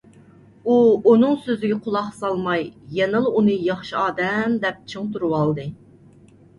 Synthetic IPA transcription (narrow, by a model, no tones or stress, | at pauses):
uunɨŋsøzɪɡʲɛqʰʊlˠɑχsɑlˠmɑjːɛnɨlˠunɨjɑχʃiɑːd̪ɛmd̪ɛp̚t͡ʃʰɨŋt̪uɾuwɑlˠd̪ɨ